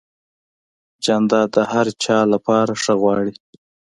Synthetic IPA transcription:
d͡ʒɑnd̪ɑd̪əhaɾt͡ʃɑlapɑɾaʂəɣwɑɽi

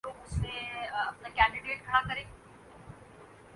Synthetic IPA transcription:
oːɡʊsnẽɐpnakɛ̃ːɳɖɪɖeːʈ̚kʰɐɽakɐɾẽː

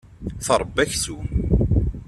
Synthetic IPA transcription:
θəɾˤəbːæçsu

